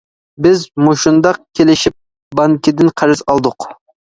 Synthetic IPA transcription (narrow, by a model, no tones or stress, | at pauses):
bɪzmoʃund̪ɑq̚kʲʰelɪʃip̚ | bɑŋkʲɪd̪ɪnqʰɑɾɨzɑlˠd̪ʊq